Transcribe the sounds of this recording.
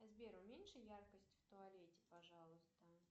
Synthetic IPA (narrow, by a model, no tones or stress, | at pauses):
zbʲeɾʊmʲenʲʂɨjarkəsʲtʲft̪ʊɐlʲetʲɪ̥pɐʐɑlˠʊst̪ə